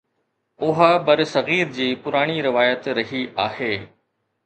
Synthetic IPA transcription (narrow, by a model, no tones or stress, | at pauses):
ʊɦabɐɾsɐɣiːɾd͡ʑiːpʊɾaːɽ̃iɾɪʋaːjət̪ɾɐɦiʔaːheː